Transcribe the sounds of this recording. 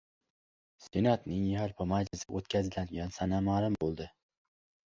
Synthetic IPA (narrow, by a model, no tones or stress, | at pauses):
senat̪nɪŋjaɾpʰamad͡ʒlɪsɪʔot̪kʲʰazɪlanɡʲansanamaɾɪmbolˠd̪ɪ